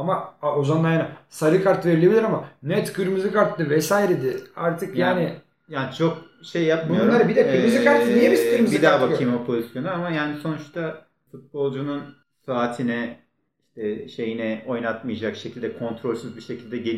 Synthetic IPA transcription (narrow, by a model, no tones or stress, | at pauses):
amaaozanlˠajanasaɾɯkʰaɾt̪ve̞ɾilʲebilʲiɾamanɛt̪kyɾmizɯkaɾt̪ːɯvɛsaːiɾed̪ɪaɾt̪ʰɯkjjaːnɪ | jaːnit͡ʃʰo̞k̚ | ʃe̞jːap̚bmunjoɾˠaɾabid̪ɛpmizikaɾt̪ːnijeispʰiɾmizb̪id̪aːbaimopʰo̞zisjo̞nuamajaːniso̞nut͡ʃt̪ʰa | fut̪̚bo̞lˠd͡ʒunun | saːt̪ʰinɛ | iʃt̪ʰɛʃe̞jinɛo̞jnat̪mɯjad͡ʒakʃecʰilʲd̪ɛkʰo̞nt̪ɾo̞lʲsyzbiʃe̞cʰilʲd̪ɛɟel